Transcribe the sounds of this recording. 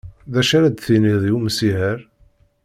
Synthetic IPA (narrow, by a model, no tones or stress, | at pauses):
ðæʃaɾæd̪θiniðˤjuməsihəɾ